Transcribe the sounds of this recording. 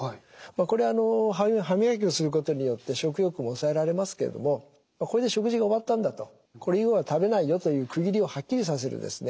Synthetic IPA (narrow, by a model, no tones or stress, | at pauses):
mako̞ɾe̞ano̞ɦaɦamʲihak̬ʲio̞sɨɾɯ̟k̬o̞t̪o̞ɲ̟ijo̞t̪ːe̞ɕo̞k̬ɯ̟jo̞kɯmoːsae̞ɾaɾe̞masɨ̥ke̞ɾḛd̪o̰mo̞ | mako̞ɾe̞d̪eɕo̞kɯ̟ʑiɡaoβat̪ːãnd̪at̪o̞ | ko̞ɾeiɡoβat̪abe̞naijo̞t̪o̞jɯ̟ːkɯ̟ɡʲiɾʲio̞hakʲːiɾʲis̬as̬e̞ɾɯ̰d̪esɨne̞